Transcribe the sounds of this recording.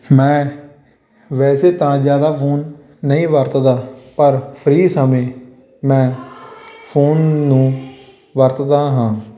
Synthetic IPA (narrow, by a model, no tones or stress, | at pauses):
mɛ̃ː | ʋɛːseːt̪ãːzjaːd̪aːpʰoːnː | əĩːʋəɾt̪d̪aːpəɾpʰəɾiːsəmẽː | mɛ̃ː | pʰoːnːũː | ʋəɾt̪d̪aːɦãː